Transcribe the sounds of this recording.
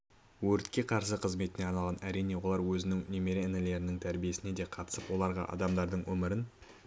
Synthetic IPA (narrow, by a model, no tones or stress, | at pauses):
wɵɾt̪kʲe̞qʰɑɾsəqʰəzme̞t̪ɪne̞ɑnɑlˠʁɑnæɾijne̞wo̞lˠɑɾwɵzɪnɪŋnʲe̞me̞ɾeɪnɪle̞ɾɪnɪŋt̪ʰæɾbije̞sɪne̞d̪e̞qʰɑt̪ə̥səpwo̞lˠɑɾʁɑ̰ʔɑ̰d̪ɑmd̪ɑɾd̪əɴwɵmɪɾɪn